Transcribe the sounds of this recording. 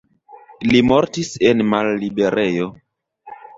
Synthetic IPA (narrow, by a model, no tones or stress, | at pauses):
limo̞ɾtise̞nmalːibe̞ɾʔe̞jo̞